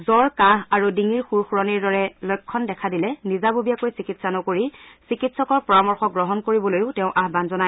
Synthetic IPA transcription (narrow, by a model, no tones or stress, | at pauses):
zɔɹkãɦaɹudiŋiɹxuɹxuɹɔniɹdɔɹɛlokʰːɔndɛkʰadilɛnizabubijakojsikitsanɔkoɹisikitsɔkɔɹpɔɹamɔɹxɔɡɹɔɦɔnkoɹibɔlojʊtɛʊ̃ʔaɦbanzɔnaj